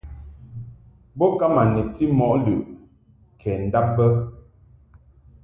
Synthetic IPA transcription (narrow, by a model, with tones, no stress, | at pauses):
bɔ˦ka˦ma˨nɛ˨p̚ti˦mɔ˨ʔlʉ˨ʔ | kʰɛː˨n̩˨da˦p̚bə˦